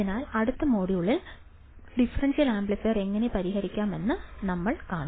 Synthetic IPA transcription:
inaːlɐɽut̪ːɐmo̞ːɽijuɭːil | ɖifɐrɐnsjɐlaːmbɭɐsɐre̞ŋːɐne̞pɐɾihɐɾikʲːaːme̞nːɨnɐmːɐɭkaːɳɐ

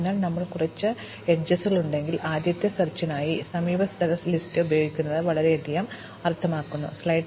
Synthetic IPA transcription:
nːaːɭnɐmːɐɭkurɐt͡ɕːɨ | eʈd͡ʑɐsɣɐɭuɳɖe̞ŋɡilʔaːd̪jɐt̪ːɐsɐrt͡ɕːɐnaːjisɐmiːbɐst̪ʰɐɾɐslistɨubɐjoːɡikʲːunːɐðɨʋɐɭɐɾeɐd̪ijɐm | ɐrt̪ʰɐmaːkːunːṵslɐjʈ

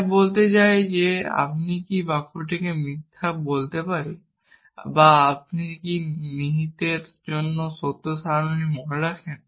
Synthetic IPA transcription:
bolt̪et͡ɕaed͡ʑea̰pnikibakʰuʈekemit̪ʰːabolt̪epaɾe | baap̚nikiniɦit̪eɾd͡ʒonːosot̪ːosanimɔnɾakʰen

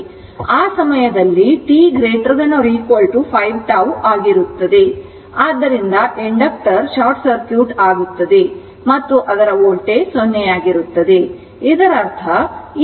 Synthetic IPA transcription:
aːsɐmɐjɐd̪ɐlːiʈiːɡɾeːʈɾɡɐnoɾiːkolʈupʰɐjʋʈaːwʔaːɡiɾut̪ːɐd̪e̞ | aːd̪ːɐɾind̪ɐʔeɳɖɐk̚ʈɐɾʃaːɾʈsɐɾkjuːʈaːɡut̪ːɐd̪e̞ | mɐt̪ːuʔɐd̪ɐɾɐoːlʈesonːɛjaːɡiɾut̪ːɐd̪e̞ | id̪ɐɾɐɾt̪ʰɐ

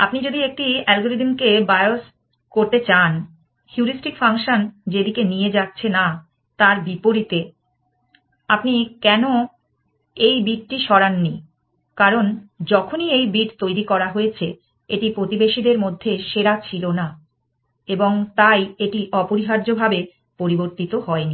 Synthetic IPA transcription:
apnid͡ʑod̪iek̚ʈiɛlɡoɾiɖmkebajos | koɾt̪et͡ɕan | hjuɾisʈikfaŋʃond͡ʑed̪ikenijed͡ʑatːɕʰena | t̪aɾbipoɾit̪e | apnikɛno | ejbiʈ̚ʈiʃɔɾanːi | kaɾond͡ʑɔkʰoniejbiʈt̪ojɾikɔɾaɦoet͡ɕʰe | eʈipɾot̪ibeʃid̪eɾmod̪ʱːeʃeɾat͡ɕʰilona | eboŋt̪ajeʈiʔɔpoɾiɦaɾd͡ʑobʱabe | poɾiboɾt̪it̪oɦɔeni

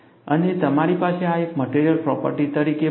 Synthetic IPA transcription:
ənet̪əmaɾipaseaekməʈeɾijəlpɾɔpə̰ɾʈit̪əɾike

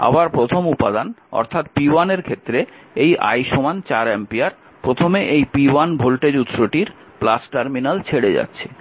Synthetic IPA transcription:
a̰baɾpɾot̪ʰomupad̪anɔ̰ɾt̪ʰat̪pianeɾkʰet̪ːɾeejʔa̰jʃomant͡ɕaɾempiaɾ | pɾot̪ʰomeʔejpiwanbʱolʈed͡ʑut̪ːɾoʈiɾ | plasʈaɾminalt͡ɕʰeɽed͡ʑa̰tːɕʰe̥

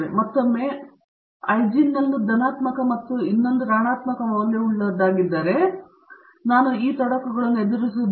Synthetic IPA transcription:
ɾemɐt̪ːomːe̞ | ɐjd͡ʒinːɐnːud̪ɐnaːt̪mɐkɐmɐt̪ːuinːond̪uɾaːɳaːt̪mɐkɐmɐʋɐlːeːuɭːɐd̪aːɡid̪ːaːɾe̞ | naːnuiːt̪ɐɽɐkːɐɡɐɭɐnːed̪ɐɾis̬ud̪

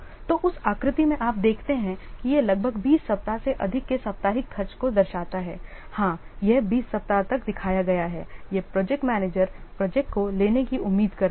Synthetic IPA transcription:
t̪oːʔʊsaːkɾɪt̪imẽʔaːp̚d̪eːkʰt̪eɦɛ̃kijelɐɡ̚bʱəɡbiːsːɐp̚t̪aseʔɐd̪ʱɪkːesɐp̚t̪aːɦɪkʰːɐɾt͡ʃkod̪ɐɾʃaːt̪aɦɛː | hãːjɛɦbiːsːɐp̚t̪at̪ɐkd̪ɪkʰaːjaɡɐjaɦɛːjɛpɾɔːd͡ʒɛk̚ʈmɛːneːd͡ʒəɾpɾɔːd͡ʒɛk̚ʈkoleːnekiʊmːiːd̪kɐɾ

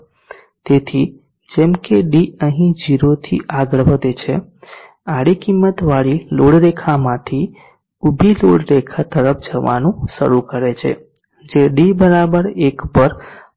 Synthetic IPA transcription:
t̪et̪ʰi | d͡ʒemkeɖiəɦĩd͡ʒiɾot̪ʰiʔaɡəɭʋəd̪et͡ʃʰe | aɽikimːət̪ʋaɽiloɽɾekʰamãt̪ʰi | ubʱiloɽɾekʰat̪əɾəp̚ʰd͡ʒəʋa̰nũʃə̰ɾukəɾet͡ʃʰḛ | d͡ʒeɖibəɾabəɾekpəɾ

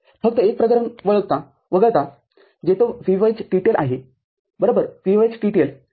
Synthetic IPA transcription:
fək̚t̪əek̚pɾəkəɾənʋəɭəɡ̚t̪a | ʋəɡəɾt̪a | d͡ʑet̪ofiʋajt͡sɖiʈelʔa̰ɦe | bəɾobəɾfiʋajt͡sɖiʈel

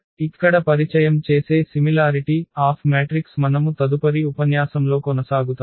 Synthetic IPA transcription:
ikːɐɽɐpɐɾit͡ʃɐjɐmt͡ʃe̞ːse̞ːsimilaːɾiʈiaːpʰmeːʈɾiksmɐnɐmut̪ɐd̪upɐɾiupɐnjaːsɐmlo̞ːkɔnɐsaːɡut̪a

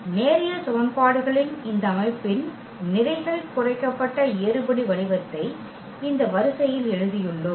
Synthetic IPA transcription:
neːɾɪjɐsɔʋɐnpaːɽɯɣɐɭɪnɪnd̪ɐɐmɐɪpːɪn | nɪɾɐɪɣɐɭɪkːʊrɐɪkːɐpːɐʈːɐeːɾɯbɐɽiʋɐɭɪʋɐt̪ːɐɪ | ɪnd̪ɐʋɐɾɯsɐjɪlɛɻɯðɪjɯɭːɯm

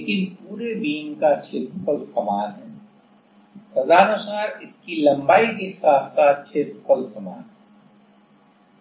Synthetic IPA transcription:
leːkɪnpuːɾebiːŋkat͡ʃʰɪt̪pʰəlsɐmaːnɦɛː | sɐzaːnʊsaːɾɪskilɐ̃mbaːikexɪsaːfsaːt̪̚t͡ʃʰet̪kʰəlsɐma̰ːnɦɛ

